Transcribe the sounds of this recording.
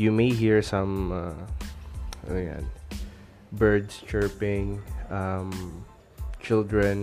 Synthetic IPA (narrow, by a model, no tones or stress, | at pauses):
jumeɪɦiɹsɐ̃ma | o̰jã̰n | bɛɹd̪st͡ʃɛɹpɪ̃ŋam | t͡ʃɪld̪ɹɛ̃n